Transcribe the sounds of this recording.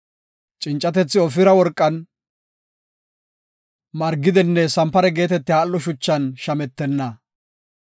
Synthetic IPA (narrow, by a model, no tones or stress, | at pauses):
t͡ʃʼɪnt͡ʃʼːɐt̪ɛt͡sːɪɔfɪɾɐwɔɾkʼːɐn | mɐɾɡːɪd̪ɪnːɛsɐmpːɐɾɛɡe̞ːt̪ɛt̪ːɪaːlːɔʃʊt͡ʃːɐnʃɐmɛt̪ːɛnːɐ